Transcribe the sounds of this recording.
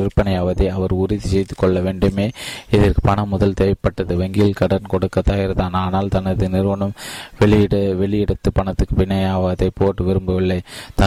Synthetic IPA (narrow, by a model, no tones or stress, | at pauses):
ɪɾpɐɳɐjɐːʋɐðɐɐʋɐɾʊɾɪðisɛjt̪ːɯkːɔɭːɐʋeːɳɖɯmeːɪðɪrkɯpɐɳɐmːʊðɐlt̪ɛjɐpːɐʈːɐðɯʋɐŋɡiːlkɐɽɐnkɔɽɯkːɐt̪ːaːjɪɾɐðaːnaːnaːlt̪ɐnɐðɯnɪɾɯʋɐɳɐmʋɛɭɪɽɐʋɛɭɪjɪɽɐt̪ːɯpɐɳɐt̪ːɯkːɯpɪnːɐjaːʋaðɐɪpoːʈːɯʋɪɾɯmbɯʋɪɭːɐɪt̪ɐ